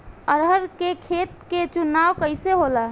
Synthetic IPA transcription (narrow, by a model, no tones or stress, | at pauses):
əɾɦəɾkekʰet̪̚ket͡ʃunawkəɪseɦola